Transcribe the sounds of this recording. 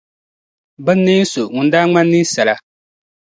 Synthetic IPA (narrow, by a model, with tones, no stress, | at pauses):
bɨ˦nː˦e˦n̩˦so˨ŋʊ˨n˦daː˦ŋ͡ma˦nː˦ɨ˦sa˨la˨